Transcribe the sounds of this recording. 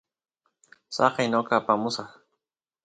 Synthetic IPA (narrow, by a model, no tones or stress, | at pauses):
sɑqejnokaːpamʊsɑχ